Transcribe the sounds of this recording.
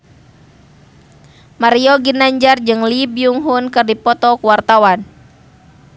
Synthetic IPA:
maɾiɔɡinaɲd͡ʒard͡ʒɨŋlibiuŋɦunkɨrdipɔt̪ɔkuwart̪awan

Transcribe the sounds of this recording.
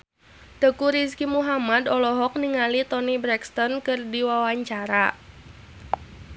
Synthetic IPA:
d̪̥ə̤kuɾiskimuɦamad̪ɔlɔɦɔk̚niŋalit̪ɔnibɾɛkst̪ɔnkɨrdiwawaɲt͡ʃaɾa

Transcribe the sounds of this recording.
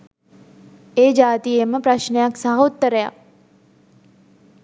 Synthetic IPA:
eːd͡ʒaːt̪ijeməpɾaɕnejaksəɦout̪ːəɾəja̰k̚

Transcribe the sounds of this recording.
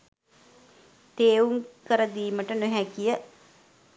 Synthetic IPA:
t̪eːuŋkəɾəd̪iːməʈənoɦækijə

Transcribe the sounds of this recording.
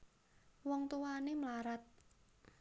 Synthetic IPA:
wɔŋt̪uwanemlaɾat̪̚

